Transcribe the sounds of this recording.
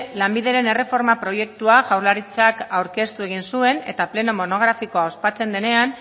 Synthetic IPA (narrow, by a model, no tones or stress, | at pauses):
lambiðe̞ɾe̞nere̞fo̞ɾmapɾo̞je̞k̚t̪uaʝawɾlaɾit͡sakawɾke̞st̪ue̞ɣinsue̞ne̞̰t̪aple̞no̞mo̞no̞ɣ̞ɾafiko̞ao̞spat͡se̞nd̪e̞ne̞an